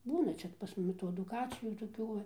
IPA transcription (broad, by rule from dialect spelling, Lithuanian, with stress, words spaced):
ˈbuːnɐ ˈt͡ʃʲɛ pɐs ˈmʊmʲɪ tuː ɐdʊˈkɑːt͡sʲɪjuː toːˈkʲuː ʋɐ